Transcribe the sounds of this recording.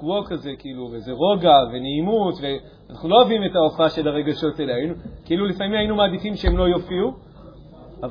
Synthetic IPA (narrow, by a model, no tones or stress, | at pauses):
uokaze̞kiiluvezeʁo̞ɡave̞neimutve̞ | anaχnulo̞avime̞taofaʃe̞laʁe̞ɡaʃo̞telajinukiilulifamimhainumaːdifimʃeemlo̞jofiu | av